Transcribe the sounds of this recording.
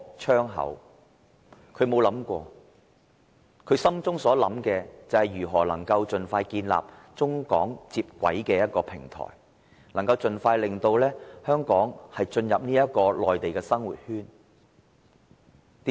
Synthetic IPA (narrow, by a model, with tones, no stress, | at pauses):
t͡ʃʰœː˥ŋɦɐ̰˨˥w | kʰɵ˨˧ɥmo˨˧wlɐ˨˥mkʷɔː˧ | kʰɵ˨˧ɥsɐ˥mt͡sʊ˥ŋsɔː˨˥lɐ̰˨˥mkɛː˧t͡sɐ˨whɐ˨jɥyː˨˩ɦɔː˨˩lɐ˨˩ŋkɐ˧wt͡sɵ˨nfaː˧jkiː˧nla̰ː˨p̚ | t͡sʊ˥ŋkɔ̰ː˨˥ŋt͡siː˧p̚kʷɐ̰˨˥jkɛː˧jɐ˥t̚kɔː˧pʰɪ̰˨˩ŋt̪ʰɔ̰ː˨˩j | nɐ˨˩ŋkɐ˧wt͡sɵ˨˧nfaː˧jlɪ˨ŋt̪o˧wlɛː˥hœː˥ŋkɔː˨˥ŋhɐ˨jt͡ʃɵ˧njɐ˨p̚niː˥jɐ˥t̚kɔː˧lɔː˨jt̪e˨jkɛː˧sɐ˥ŋwṵː˨t̚hyː˥n | t̪iː˨˦